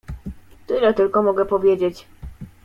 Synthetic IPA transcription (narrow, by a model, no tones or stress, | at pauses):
t̪ɘlɛt̪ɘlkɔmɔɡɛpɔvʲjed͡ʑet͡ɕ